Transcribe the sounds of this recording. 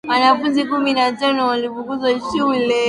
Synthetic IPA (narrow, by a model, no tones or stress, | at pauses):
mwanafunzikuminatanɔwalifuŋkuzaʃuulɛ